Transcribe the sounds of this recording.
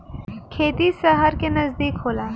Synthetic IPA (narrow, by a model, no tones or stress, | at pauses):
kʰeːt̪isɐɦɐɾkenɐzd̪iːkhoːlaː